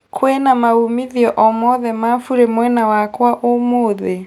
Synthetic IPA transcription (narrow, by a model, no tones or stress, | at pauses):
kʰwenamaumiðiɔʔɔmɔðɛmaːfuɾemwɛnawakwaʔomoːðe